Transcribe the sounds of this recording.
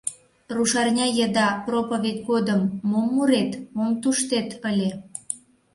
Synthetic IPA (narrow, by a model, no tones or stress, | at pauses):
ruʃɑrnʲɑjəd̪ɑpropovʲed̚ʲɡod̪əmːomːuɾet̪momt̪uʃt̪et̪əlʲe